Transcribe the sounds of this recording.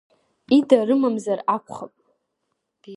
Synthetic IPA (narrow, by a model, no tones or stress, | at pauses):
idarɨmamzarakʷʰʼχapʼ